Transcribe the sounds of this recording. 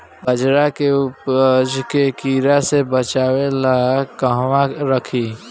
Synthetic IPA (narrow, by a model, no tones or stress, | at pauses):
bəd͡ʒɾakeʊpd͡ʒkekiːɾasebət͡ʃaːwelakəɦwaɾəkʰiː